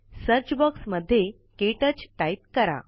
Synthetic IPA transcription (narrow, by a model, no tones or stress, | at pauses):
səɾt͡ɕbɔksməd̪ʱːje | keʈət͡sʈajt̪̚kəɾa̰